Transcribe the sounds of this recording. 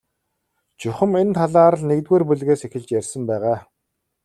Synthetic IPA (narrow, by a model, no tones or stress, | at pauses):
t͡ɕɵχʲɘ̆ment̪ʰaɮaːɾə̆ɮnekt̪̚ɣeːrpuɮɣeːsexʲɪ̆ɮt͡ɕjærʲsə̆mpæːʁaː